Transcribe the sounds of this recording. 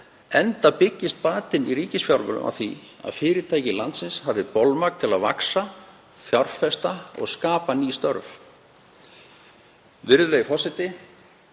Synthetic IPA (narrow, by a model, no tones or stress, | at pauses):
ɛnt̪apɪcːɪst̪̚paːt̪ɪniriːcɪsfjawɾmʏ̰lʏ̰ma̰̥θia̰ðfɪːɾɪt̪ʰaːjcɪlant̪sɪnshavɪpowlmak̚t̪ʰɪlaðva̰ksa | fjɔɾ̥fɛst̪aɔ̰ɣskaːpaniːst̪œɾv | vɪɾðʏleːjfɔsɪt̪ɪ